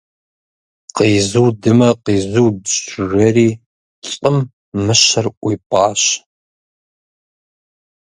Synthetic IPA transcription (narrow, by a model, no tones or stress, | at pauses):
qiːzuːdɨmɐqiːzuwdɕrɐriː | ɕʼəmː | ɨɕɐrʔʷijpʼɑːɕ